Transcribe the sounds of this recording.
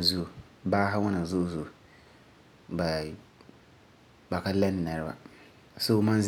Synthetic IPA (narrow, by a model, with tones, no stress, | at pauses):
zu˦˨ | baː˦ɦa˦wʊ˦na˨zʊ˦˨zʊ˨ | ba˨ | ba˨ka˦la˦n˨na˨ɾɪ˦ba̰˨ | so˦˨ma˦n˦z